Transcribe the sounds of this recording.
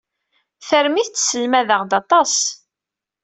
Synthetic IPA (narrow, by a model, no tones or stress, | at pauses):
θəɾmiθt͡sːsəlmæðəʁd̪ɑt̪ˤɑs